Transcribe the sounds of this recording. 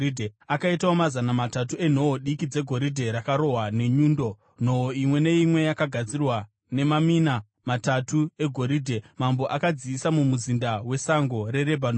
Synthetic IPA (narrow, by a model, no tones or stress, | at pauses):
dʱeakaitawomazanamatatue̞n̤o̞ɦoɗikid͡ze̞ɡʱo̞ɾidʱe̞ɾakaɾo̞ɦwane̞ɲuːndo̞ | n̤o̞ɦoimwe̞ne̞imwe̞jakaɡʱad͡zirwa | ne̞mamina | matatue̞ɡʱo̞ɾiːdʱe̞mambo̞ʔakad͡ziːsamumuzindawe̞saŋɡo̞re̞ɾebʱan